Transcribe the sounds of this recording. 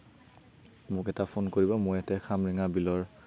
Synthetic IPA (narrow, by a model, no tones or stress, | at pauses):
mʊkɛtapʰonkoɹibɔmʊjɛtɛxʰamɹiŋabilɔɹ